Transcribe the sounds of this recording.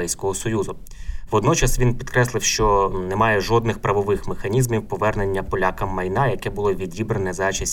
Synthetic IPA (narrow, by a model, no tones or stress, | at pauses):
ɛjsʲkɔɦɔsɔjuzʊ | ʋɔd̪nɔt͡ʃɐsʋʲinpʲit̪kɾɛslˠɪwʃt͡ʃɔnɛmɑjɛʒɔd̪nɪxpɾɐʋɔʋɪxmexɐnʲizmʲiwpɔʋɛrne̞nʲːɐpɔlʲakɐmːɐjnɑjɐkɛbʊlˠɔʋʲidʲibɾenɛzɑt͡ʃisʲ